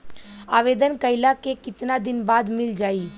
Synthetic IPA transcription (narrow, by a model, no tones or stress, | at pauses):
aːʋeːd̪ənkəɪlakekɪt̪nad̪ɪnbaːd̪mɪld͡ʒaːiː